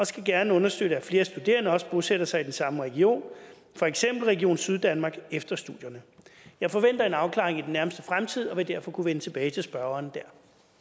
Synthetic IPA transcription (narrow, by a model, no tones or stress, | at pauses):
ɒsɡ̥æɡ̥æɐnəɔ̽nɐsd̥ød̥əæfle̝ːɐsd̥ud̥e̝̰ːɐnɐɒ̽sb̥oseɾ̥ɐsɑ̈ɪid̥ensɑ̈məʁɛɡ̥io̝̰ːn | fɒ̽eɡ̥sem̰b̥l̩ʁɛɡio̝̰ːnsyð̞ˠd̥ænmɑ̈ːɡ̥efd̥ɐsd̥uð̰ˠjɐnəjɑ̈ɪfɒ̽ʋen̰d̥ɐe̝nɑ̈ʊkʰlɑ̈ʁeŋid̥enːæɐməsd̥əfʁamt͡sʰið̞̰ˠɒ̽ʋe̝d̥æɐ̰fɒ̽kʰuʋenət͡sʰe̝b̥ɛːɪt͡sʰe̝lsb̥ɶɐɐːnd̥æɐ̰